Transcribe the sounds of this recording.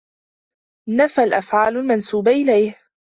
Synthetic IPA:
nafalʔafʕaːlʊlmansuːbaʔɪlajh

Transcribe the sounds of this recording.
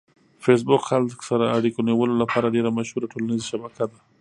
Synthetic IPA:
fes̬bʊkxalksaɾaaɽikoniwəlolapʰɑɾaɖeɾamaʃhuɾaʈʰolanizaʃabakad̪a

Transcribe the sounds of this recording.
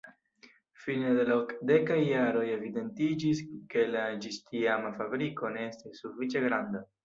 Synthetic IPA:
finedelokde̞kajːaɾo̞je̞vide̞ntid͡ʒiske̞lad͡ʒistiamafabɾiko̞ne̞estisːufit͡ʃe̞ɡɾanda

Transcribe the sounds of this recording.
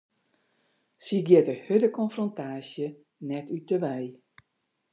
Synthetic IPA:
siɡjɪtəhødəkʰɔnfrɔntʰaːsjə | nɛtytəʋɛj

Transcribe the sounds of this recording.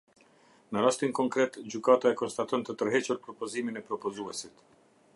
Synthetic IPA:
nəɾast̪inkɔŋkɾɛt̪d͡ʑykat̪aɛkɔnst̪at̪ɔnt̪ət̪əɾɦɛt͡ɕuɾpɾɔpɔziminɛpɾɔpɔzuɛsit̪

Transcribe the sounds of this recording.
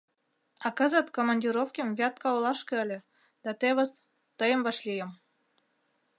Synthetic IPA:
ɑkə̆zə̆t̪komɑnʲdʲiɾofkʲemvʲɑt̪̚kɑwlˠɑʃkɤ̆ə̆lʲĕ | d̪̥ɑt̪eβə̆s | t̪əjə̆mvɑʃlʲijə̆m

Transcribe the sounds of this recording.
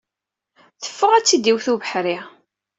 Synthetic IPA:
θə̥fːʊʁæt͡sːid̪iwθuvəħɾi

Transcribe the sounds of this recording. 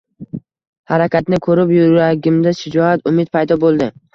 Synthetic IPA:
haɾakʲʰat̪nɪkʰɵɾɪpjʊɾaɡʲɪmd̪aʃɪd͡ʒɒat̪ʰʊmɪt̪̚pʰajd̪ɒbolˠd̪ɪ

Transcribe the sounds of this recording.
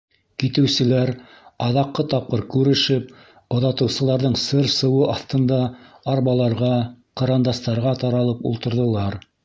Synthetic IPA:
kit̪ɘ̆wsɘ̆læɾ | ɑðɑqːɤt̪ɑp̚qɤɾkʉɾɘ̆ʃɘp̚ | ŏðɑt̪ɤ̆wsɤ̆lˠɑɾðɤɴsɤɾsɤ̆wɤʔɑθt̪ɤ̆nd̪ɑ | ɑɾβɑlˠɑɾʁɑqɤ̆ɾɑnd̪ɑst̪ɑɾʁɑt̪ɑɾɑlˠɤpṵlˠt̪ɤ̆ɾðɤ̆lˠɑɾ

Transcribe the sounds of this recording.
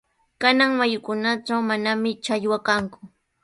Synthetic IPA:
kanaŋmajʊkʊnaʈ͡ʂawmanamɪt͡ʃaʎwakaŋkʊ̥

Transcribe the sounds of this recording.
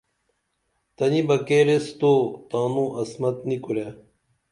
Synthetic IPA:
t̪ɐnibɐkeːɾest̪ot̪ãːnũːʔɐsmɐt̪nikuɾe

